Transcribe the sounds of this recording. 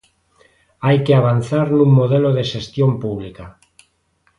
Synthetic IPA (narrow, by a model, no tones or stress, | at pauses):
ajkeaβ̞an̟θaɾnũŋmoðeloðeʃest̪jompuβ̞lika